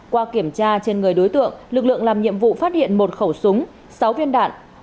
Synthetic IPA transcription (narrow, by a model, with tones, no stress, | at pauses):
kwaː˧ki˧˩əmt͡ɕaː˧t͡ɕe˧nŋɨ˨˩əjɗo˨˦jt̪ɨ̰˧˨əŋlɨ˨˩k̚lɨ̰˧˨əŋlaː˨˩mɲḭ˧˨əmvṵ˧˨faː˦˥t̚hḭ˧˨ənmo˨˩t̚xə˧˩wsʊ˨˦ŋ͡m | sa˨˦wvi˧ənɗa̰ː˧˨n